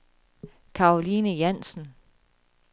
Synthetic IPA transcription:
kʰɑ̈olinəjæn̰sn̩

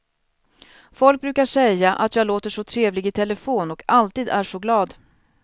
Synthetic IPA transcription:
fɔlk̚bɾʉ̟ːkaʂɛjːaʔa̰t̪jɑːɡloːt̪əʂɔt̪ʰɾeːvlɪɡɪt̪ʰɛləfoːnɔkalt̪iːd̪æʂɔɡlɑːd̪

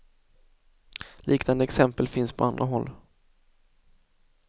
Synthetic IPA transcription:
lʔiːknand̪əɛksɛmpəlfɪnspʰɔand̪ɾʔaɦɔlː

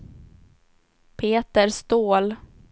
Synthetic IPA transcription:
pʰeːt̪əɾst̪oːl

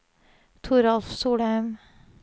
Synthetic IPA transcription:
t̪ʰʊɾɑlfsuːɽaʏm

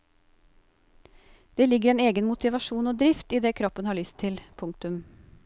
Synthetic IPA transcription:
d̪̥eːlɪɡəɾeːneːɡənmʊt̪ɪʋɑʃuːnoːd̪ɾɪft̪iːd̪eːkʰɾɔpːənhɑːɭʏst̪ʰːɪlpʰʊŋk̚t̪ʉm

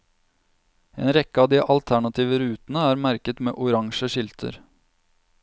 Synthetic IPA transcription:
ḛːnɾɛkːəɑːd̪iːʔɑlt̪ʰæɳɑt̪ʰiːʋəɾʉːt̪nəæːɾmæɾkət̪mḛːʔʊɾɑŋʃəʃɪlt̪ʰə̰ɾ

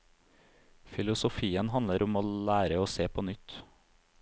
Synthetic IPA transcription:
fɪlʊsʊfiːənhɑnləɾʊmoːlæːɾəoːseːpʰoːnʏt̪

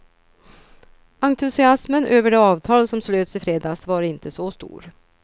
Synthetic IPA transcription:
aŋt̪ʰɵsɪasmənʔøːvəɖɛɑːvt̪ʰɑːlsɔmsløːd̪sɪfɾeːd̪ɑːsvɑɾɪnt̪əsɔst̪ṵːɾ

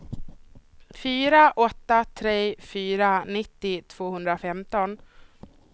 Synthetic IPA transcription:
fyːɾaʔɔt̪ːat̪ʰɾeːfyːɾanɪt̪ːɪt̪ʰv̥oːhɵnd̪ɾafɛmt̪ɔn

